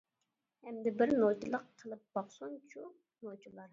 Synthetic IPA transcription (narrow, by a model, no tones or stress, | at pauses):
hɛmd̪ɪbɪɾnot͡ʃʰilˠəqʰːəlˠɨp̚b̥ɑχsont͡ʃʰu | not͡ʃʰulˠɑɾ